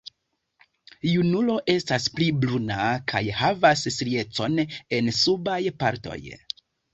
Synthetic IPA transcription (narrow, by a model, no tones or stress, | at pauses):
junulo̞ʔe̞staspliblunakʰajhavassɾie̞t͡so̞ne̞nsubajpaɾto̞̰j